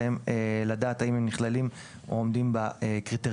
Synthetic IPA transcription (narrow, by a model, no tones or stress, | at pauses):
emeladaːt̪aimemniχlalim | o̰omdimbaekʁite